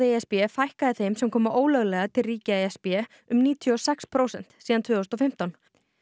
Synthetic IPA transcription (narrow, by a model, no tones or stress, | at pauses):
ɪeɛspjɛfajhkaðɪθejmsɛmkʰɔːmaʔoːwlœɣlɛɣat̪ʰɪlriːcɪeɛspjɛ | ʏmniːt̪ʰjuɔsɛkspʰɾowsɛ̰n̥t̪siːðant̪vʏːos̬t̪ɔfɪm̥t̪awn